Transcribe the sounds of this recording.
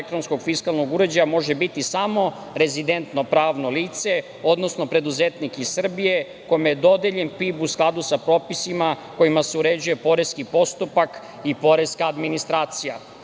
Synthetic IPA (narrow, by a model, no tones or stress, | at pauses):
ek̚t̪ɾo̞nsko̞ɡfiskalˠnoɡuɾe̞d͡ʑajamo̞ʒe̞bit̪isamo̞ | ɾe̞zid̪e̞nt̪no̞pɾaːʋno̞liːt̪se̞ | o̞d̪no̞sno̞pɾe̞d̪uzet̪nikisr̩bije̞ | ko̞jimejed̪o̞d̪eʎe̞npipusklˠad̪usapɾo̞ːpisima | ko̞imaseuɾe̞d͡ʑuje̞po̞ɾe̞skipo̞st̪upak | ipo̞ɾe̞skaːd̪minist̪ɾaːt̪sija